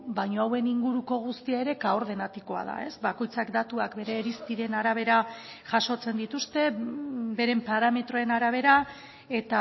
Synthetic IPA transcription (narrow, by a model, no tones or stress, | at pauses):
bajɲo̞awe̞niŋɡuɾuko̞ɣ̞ust̪iaeɾe̞kaoɾð̞e̞nat̪iko̞a̰ð̞a̰e̞sbako̞jt͡sakd̪at̪uakbe̞ɾe̞ːɾisp̪iɾe̞naɾaβ̞e̞ɾa | ʝaʃo̞t͡se̞nd̪it̪ust̪e̞be̞ɾe̞mpaɾame̞t̪ɾo̞e̞naɾaβ̞e̞ɾa | e̞t̪a